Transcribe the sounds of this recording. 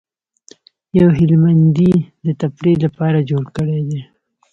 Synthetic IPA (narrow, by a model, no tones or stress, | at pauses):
jawɦɪlmand̪id̪ət̪apɽelapɑɾad͡ʒoɽkəɽed̪e